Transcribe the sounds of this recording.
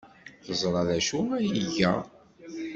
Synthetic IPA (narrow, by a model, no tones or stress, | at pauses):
θəzˤɾˤɑðæʃʊʁæjiʝæ̰